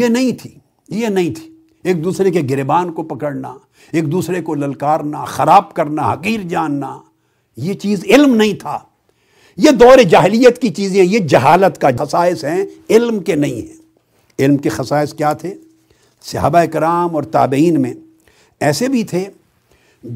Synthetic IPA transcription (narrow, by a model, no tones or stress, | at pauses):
jenɐɦĩt̪ʰi̥ː | jenɐɦĩt̪ʰi̥ | eːk̚d̪uːsɾekeɡɪɾebaːnkopɐkəɽna̰ | eːk̚d̪uːsɾekolɐlkaːɾnaxɐɾaːb̚kɐɾnaɦɐqiːɾd͡ʒaːnːa | jet͡ʃiːzɪlmnɐɦĩt̪ʰa̰ː | jed̪ɔːɾed͡ʒaːɦɪlijət̪kit͡ʃiːzẽɦɛ̃jed͡ʒɐɦaːlət̪kaɐsaːɪsɦɛ̃ɪlmkenɐɦĩɦɛ̃ː | ɪlmkexɐsaːɪskjaːt̪ʰe | sɐɦa̰ːbaeɪkɪɾaːmɔːɾt̪a̰ːbiːnmẽ | ɛːsebʱit̪ʰe